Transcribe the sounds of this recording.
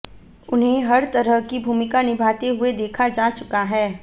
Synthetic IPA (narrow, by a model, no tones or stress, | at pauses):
ʊnɦẽɦɐɾt̪ɐɾəɦkibʱuːmɪkanɪbʱaːt̪eɦʊed̪eːkʰad͡ʒaːt͡ʃʊkaɦɛː